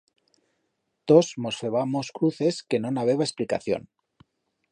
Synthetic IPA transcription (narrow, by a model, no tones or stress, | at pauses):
t̪o̞smo̞sfe̞β̞amoskɾuθe̞ske̞no̞naβ̞e̞ɣ̞aesplika̰θjo̰n